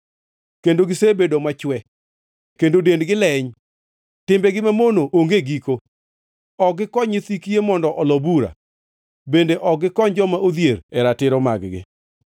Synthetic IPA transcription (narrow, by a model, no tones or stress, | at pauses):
kendoɡɪsebedomat͡ʃwɛ | kendodendɡɪlɛɲ | tɪmbɛɡɪmamonoʔoŋɡeɡiko | ɔɡɪkɔɲɪt̪ikiemɔndɔʔɔlɔbuɾa̰ | bendeʔɔɡɪkɔɲd͡ʒɔmaʔod̪jeɾɛɾatɪɾɔma̰ɡɡɪ̰